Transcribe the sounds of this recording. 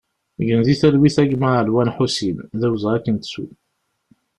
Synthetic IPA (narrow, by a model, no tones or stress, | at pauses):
ʝənðiθælwiθæʝməʕəlwænħusimðæwzˤækːənt̪sṵ